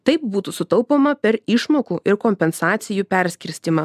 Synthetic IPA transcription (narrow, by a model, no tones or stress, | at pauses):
t̪ɐɪp̚buːt̪usʊt̪ɐlˠpoːmɐpʲɛɾɪʃmoːkuːʔɪɾkoːmʲpʲɛnsɑːt̪sʲɪjuːpʲɛɾʲsʲkʲɪɾʲsʲt̪ʲɪmɐ